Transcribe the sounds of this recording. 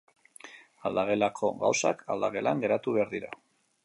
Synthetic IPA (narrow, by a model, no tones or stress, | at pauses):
ald̪aɣe̞lakʰo̞ɣa̰wsakʰa̰ld̪aɣe̞laŋɡe̞ɾat̪uβe̞aɾðiɾa̰